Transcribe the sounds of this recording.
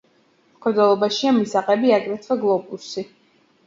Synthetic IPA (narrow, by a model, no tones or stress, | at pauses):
mkʰɛd̪ɛlˠɔbaʃiamisaqʼɛbiakʼɾɛt̪ʰvaɡlˠɔpʼusi